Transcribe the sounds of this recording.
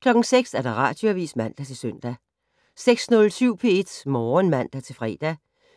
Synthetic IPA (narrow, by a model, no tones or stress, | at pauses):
kʰlɒ̽ɡ̥ŋ̩seɡ̥sæɐɾ̥ɑ̈ʁɑ̈ːd̥joæʋḭːsmæn̰d̥æt͡sʰe̝søn̰d̥æ | seɡ̥snɔ̽lsyʊ̰pʰe̝e̝d̥mɒːnmæn̰d̥æt͡sʰe̝fʁɛ̰ːd̥æ